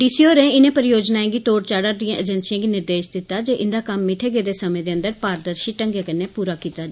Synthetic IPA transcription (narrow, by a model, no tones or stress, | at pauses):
ɖiːsioːɾẽːɪnẽpəɾɪjoːd͡ʒnaːẽːɡiːt̪oːɽt͡ʃaːɽəɾd̪ijãʔəd͡ʒɛnsɪjãːɡiːnɪɾd̪eːʃd̪ɪt̪ːaːd͡ʒeːʔɪnd̪aːkəmːɪʈʰeːɡeːd̪eːsəmẽːd̪eːə̃nd̪əɾpaːɾd̪əɾʃiʈəŋɡẽːkəneːpuːɾaːkiːt̪aː